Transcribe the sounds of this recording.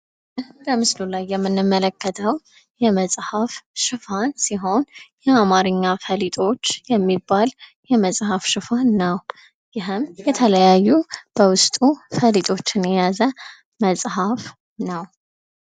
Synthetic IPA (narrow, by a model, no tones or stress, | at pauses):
ʔɨhɾəmɨslulajːɛmːɨnːɨmːələkːət̪ʰəw | jɛməsʼhafʃɨfansiɦo̞njɛamaɾɨɲːafəlit̪ʼo̞t͡ʃːjɛmːibːaljɛməsʼhafʃɨfanːəw | jɪɦɨmjɛt̪ʰələjajːub̥əwʊst̪ʼufəlit̪ʼo̞t͡ʃːɪnjɛjazə | məsʼhaf | nəw